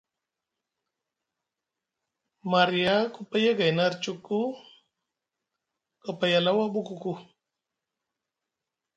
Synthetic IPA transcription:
maɾijakupajaɡajnaɾt͡ʃuku | kapajalawabukuku

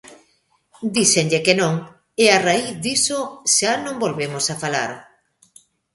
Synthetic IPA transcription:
d̪iseŋʎekenõŋ | earaiθðisoʃanõŋbolβemosafala̰ɾ

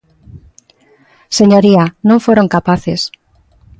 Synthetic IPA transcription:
seɲoɾianõɱfoɾoŋkapaθes

